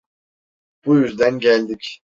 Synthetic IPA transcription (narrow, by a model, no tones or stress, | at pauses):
b̥ujyzd̪ænɟælʲd̪ic